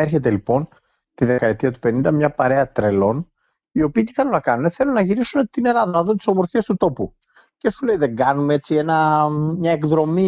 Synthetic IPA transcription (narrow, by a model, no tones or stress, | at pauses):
ɾçe̞t̪e̞lipo̞n | t̪iðe̞kɐet̪iɐt̪u̥pe̞nind̪ɐmɲɐpɐɾe̞ɐt̪ɾe̞lo̞n | io̞piːt̪i̥θɐlunɐkɐnune̞θe̞lunɐʝiɾisune̞t̪ine̞lɐðɐnɐðunet̪i̥so̞mo̞ɾfie̞st̪ut̪o̞pu | ce̞sule̞iðe̞ŋɡɐnumee̞t͡sie̞nɐmɲɐe̞kðɾo̞mi